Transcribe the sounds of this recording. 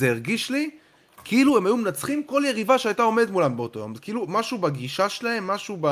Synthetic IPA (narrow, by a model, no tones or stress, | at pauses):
zeeʁɡiʃli | kʰiilue̞majumenat͡sχimko̞lje̞ʁivaʃeajt̪ao̞me̞d̪t̪mulambeo̞t̪o̞jo̞mzekiilumaʃubaɡiʃaʃelae̞mːaʃuba